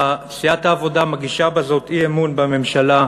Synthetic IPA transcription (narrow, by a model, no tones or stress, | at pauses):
sijat̪haːvo̞damaɡiʃabazo̞t̪iemunbeme̞mʃala